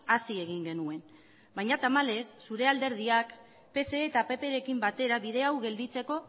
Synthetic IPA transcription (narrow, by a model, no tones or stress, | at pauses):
asie̞ɣ̞iŋɡe̞nue̞n | bajɲat̪amale̞sːuɾe̞ald̪e̞ɾð̞iak | pe̞se̞ːt̪ape̞pe̞ɾe̞kimbat̪e̞ɾaβið̞e̞awɣe̞ld̪it͡se̞ko̞